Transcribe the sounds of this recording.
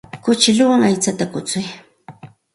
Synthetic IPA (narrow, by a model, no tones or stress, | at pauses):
kʊt͡ʃɪlʊwaŋajt͡sat̪akʊt͡sʊj